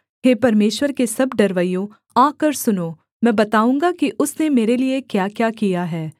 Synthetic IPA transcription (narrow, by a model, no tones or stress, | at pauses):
ɦeːpɐɾmeːʃwəɾkesɐbɖɐɾʋəijõ | ãːkɐɾsʊnoː | mɛ̃ːbɐt̪aːũːŋɡakiʔʊsnemeːɾeliekjaːkjaːkijaɦɛː